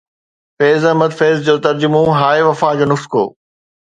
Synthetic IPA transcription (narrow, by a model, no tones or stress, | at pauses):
feːzɐɦmɐd̪feːzd͡ʑoːt̪ɐɾd͡ʑʊmõɦaːeʋɐfaːd͡ʑoːnʊxskʰo̰ː